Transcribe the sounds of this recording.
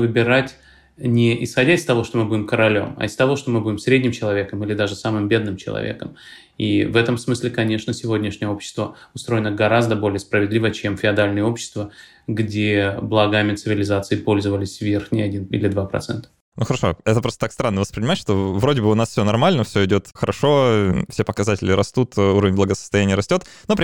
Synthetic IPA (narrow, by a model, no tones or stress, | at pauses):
vɨbʲɪɾatʲ | nʲɪʔɪsxɐdʲaɪst̪ɐvo̞ʂt̪o̞mɨbudʲɪmkəɾɐlʲo̞̰mɐ̰ɪst̪ɐvo̞ʂt̪o̞mɨbudʲɪmsɾʲedʲnʲɪmt͡ɕɪlˠɐvʲe̞kəmilʲɪd̪aʐɨsamɨmbʲe̞d̪nɨmt͡ɕɪlˠɐ̰vʲḛkə̰m | ḭvɛt̪əmsmɨsʲlʲɪkɐnʲe̞ʂnəsʲɪvo̞dʲnʲɪʂnʲɪjəo̞pɕːɪ̥st̪və | ʊst̪ɾo̞ɪnəɡɐɾazd̪əbo̞lʲɪjəspɾəvʲɪd̪lʲivət͡ɕemfʲɪɐd̪alʲnəjəo̞pɕːɪ̥st̪və | ɡdʲeblˠɐɡamʲɪt̪sɨvʲɪlʲɪzat̪sɨɪpo̞lʲzəvəlʲɪsʲvʲerxnʲɪjɐdʲinḭlʲɪd̪vapɾɐ̰t̪sɛ̰nt̪ə̥ | nuxəɾɐʂo̞̰ɛt̪əp̬ɾost̪ə̥t̪akst̪ɾanːəvəspɾʲɪnʲɪmatʲʂt̪o̞vɾodʲɪbɨʊnasfsʲɵnɐrmalʲnəfsʲɵɪdʲo̞t̪xəɾʔɐʂo̞fsʲe̞pəkɐzatʲɪlʲɪɾɐst̪ut̪uɾəvʲɪnʲblˠəɡəsə̥st̪ɐjænʲɪjəɾɐsʲtʲo̞t̪ | nopʲ